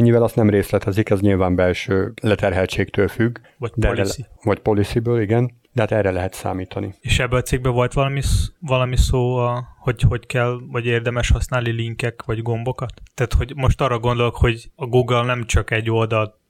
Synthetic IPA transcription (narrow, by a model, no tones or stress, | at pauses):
ɛɲːivɛlɒst̪nɛmreːslɛt̪ɛzikɛzɲilvaːmbɛlʃøːlɛt̪ɛrɦɛlt͡ʃeːkt̪øːlfyɡː | vɒcdpɛolissivɒcpo̞lisibøːliɡɛn | d̪̥ɛhaːt̪ɛrːɛlɛɦɛt̪sa̰ːmiːt̪ʰɒnieːʃɛbːɛɒt̪siːɡ̚bɛvo̞lt̪ʋɒlɒmisvɒlɒmisoːɒho̞ɟho̞ckɛlvɒɟeːrd̪ɛmɛʃhɒsnaːlniliŋkɛkʋɒɟɡo̞mbo̞kɒt̪ːaːt̪hoɟmo̞ʃt̪ɒrːɒɡo̞nd̪o̞lokho̞ɟɒɡuːɡlnɛmt͡ʃɒkɛɟːo̞ld̪ɒl